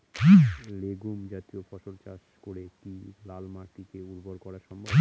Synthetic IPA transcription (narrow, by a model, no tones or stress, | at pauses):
leɡumd͡ʑat̪iofɔʃoɾt͡ɕa̰ʃkoɾekilalmaʈikeuɾboɾkɔɽaɾʃɔmbʱɔb